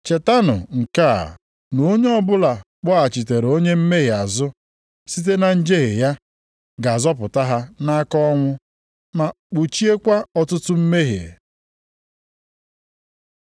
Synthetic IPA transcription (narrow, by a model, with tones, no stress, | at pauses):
t͡ʃe˨ta˦nʊ̰˨ŋ̩˨ka̰˦˨ | no˦ɲe˦ɔ˦bʊ˦la˨ | k͡pɔ˦a˨t͡ʃi˨te˨ɾo˦ɲe˦m̩˦me˦ɦɪ˨a˨zʊ˦ | si˦t̬e˦na˨n̩˦d͡ʒe˦ɦe˨ja˦ | ɡa˨zɔ˦pʊ˨ta˦ɦa˦na˦a˦kɔ˦ŋʷʊ˦ | ma˨k͡pu˨t͡ʃi˦e˦kʷa˦ɔ˨tʊ˦tʊ˦m̩˦me˦ɦḭ˨ḛ˨